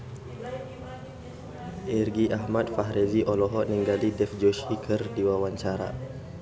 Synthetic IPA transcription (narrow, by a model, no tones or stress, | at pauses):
ʔirɡiʔaɦmat̪̚faɦɾɛziʔɔlɔɦɔʔnəŋɡalidɛfd͡ʒɔʃikʰɨrdiwawaɲt͡ʃaɾa̰